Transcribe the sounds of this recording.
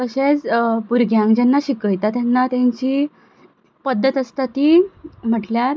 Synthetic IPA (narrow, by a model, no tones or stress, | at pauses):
kəɕet͡spuɾɡjãŋɡd͡ʑɛnːaɕikəjt̪at̪janːat̪jãɲt͡ɕiː | pəd̪ːət̪əst̪at̪iːm̤əʈljaɾ